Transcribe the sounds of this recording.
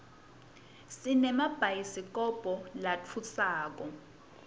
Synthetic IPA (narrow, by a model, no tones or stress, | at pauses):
sinɛmab̥ʱajisik̬ʼɔb̥ʱɔlat͡fʰusaːk̬ɔ